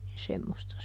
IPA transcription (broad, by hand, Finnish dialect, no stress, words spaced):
nin semːostɑ